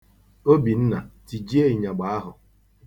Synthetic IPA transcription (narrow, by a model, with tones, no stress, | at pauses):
o˦bi˨n̩˦na˨ti˨d͡ʒi˦e˦i˨ɲa˨ɡ͡ba˨˦a˦ɦʊ˨